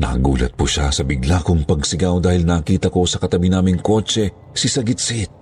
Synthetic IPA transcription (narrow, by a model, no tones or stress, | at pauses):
nɐ̰ɡṵːlɐ̰t̪̚puʃasɐbɪɡlakoŋpɐɡsɪɡawd̪aːhɪlnaːkiːt̪ɐko̞sɐkɐt̪ɐbinaːmɪŋko̞ːt͡ʃɛ | sɪsɐɡɪt̪sit̪̚